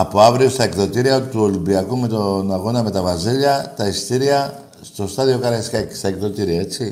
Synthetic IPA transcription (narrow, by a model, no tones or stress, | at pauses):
ɐpoavɾiost̪ɐekt̪ot̪iɾiɐt̪uolimbiɐkumet̪onaɣo̞nɐme̞t̪ɐvɾɐziʎɐt̪ɐist̪iɾiɐ | st̪o̞st̪aðio̞kɐɾɐiskaeki̥st̪ɐekt̪ot̪iɾiɐet͡si